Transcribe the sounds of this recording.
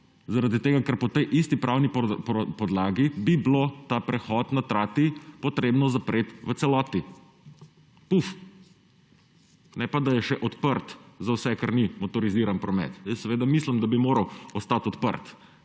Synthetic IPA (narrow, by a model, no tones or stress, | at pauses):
zaɾad̪it̪eːɡakəɾpɔt̪ɛjʔist̪ipɾʔawnippɔd̪laːɡibiblot̪apɾɛxɔt̪nat̪ɾaːt̪ipɔt̪ɾeːbnɔzapɾʔeːt̪ʋət̪sɛlɔːt̪i | puf | nɛpad̪ajɛʃɛʔɔt̪pəɾt̪zawsɛkaɾnimɔt̪ɔɾiziːɾanpɾɔmɛ̰t̪jəsːɛʋeːd̪amislimd̪abimoːɾɐwɔst̪at̪ɔt̪pə̰ɾt̪